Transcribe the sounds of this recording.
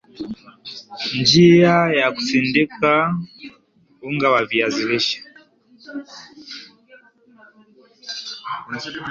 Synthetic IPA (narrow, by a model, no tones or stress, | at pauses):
nd͡ʒiajaku̥sindika | uŋɡawaviaziɾiʃḁ